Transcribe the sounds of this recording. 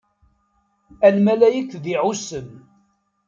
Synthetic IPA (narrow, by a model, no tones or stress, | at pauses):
ælmælæjəkðiʕusən